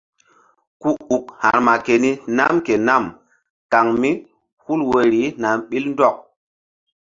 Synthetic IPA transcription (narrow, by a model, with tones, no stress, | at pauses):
ku˦u˨k̚ha̰˨ɾma˨ke˨ni˦na̰˦mke˨na˦˨m | ka˨ŋmi˦ | hu˦lwe˨ɾi˨˦na˨mɓi˦ln˦dɔ˦˨k̚